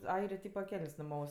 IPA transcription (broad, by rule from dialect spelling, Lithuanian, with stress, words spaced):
ˈɐɪrʲeː ˈtʲiːpɐ ˈkʲɛlʲnʲsʲ nʊˈmɐʊs